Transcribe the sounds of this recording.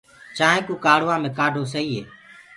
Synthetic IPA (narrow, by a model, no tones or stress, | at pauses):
t͡ʃaːɦẽːkuːkaːɽʋãːmẽːkaːɖʱoːsəiːɦḛː